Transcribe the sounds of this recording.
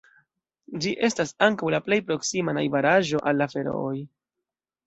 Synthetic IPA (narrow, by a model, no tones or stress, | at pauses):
d͡ʒiʔe̞stasaŋkawlaple̞jpɾo̞ksimanajvaɾaʒo̞ʔalːafe̞ɾo̞̰oj